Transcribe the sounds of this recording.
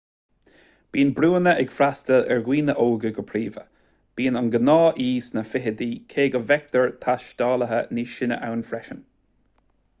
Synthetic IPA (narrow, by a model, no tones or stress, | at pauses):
b̥iːnbɾuːənəʔɛɡ̥fɾast̪əɛɹɡwiːnəʔoːɡəɡəpʰɾiːvə̰ | b̥iːnənɡənɑːʔiːsnəfɪɦəd̪iːkʰeːɡəvɛkt̪əɹt̪ʰaʃd̪̥ɑːləɦəniːʃɪnə̰ʔawnfɾɛʃən